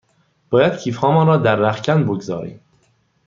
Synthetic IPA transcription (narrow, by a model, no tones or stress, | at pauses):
b̥ɒːjæd̪̚cʰiːfhɒːmɒːnɾɒːd̪æɾːæxcʰænboɡzɒ̰ːɾḭːm